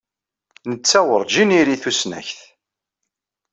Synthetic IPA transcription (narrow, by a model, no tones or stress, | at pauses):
nət͡sːæwəɾˤd͡ʒiniɾiθusnæ̰çθ